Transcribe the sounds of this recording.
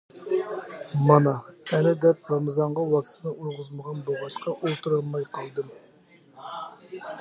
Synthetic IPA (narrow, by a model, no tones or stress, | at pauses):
mɑnɑɛlɪd̪ɛp̚ɾɑmɑzɑɴʁɑwɑkʲt̪ʰɪnɨʔujʁʊzməʁɑnboʁɑʃqʰɑʔolˠt̪ʰuɾɑlˠmɑjqʰɑlˠd̪ɨm